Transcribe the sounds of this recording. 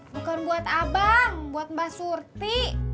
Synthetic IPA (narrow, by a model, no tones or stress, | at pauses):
bukanbuat̪abaŋbuat̪̚basurt̪i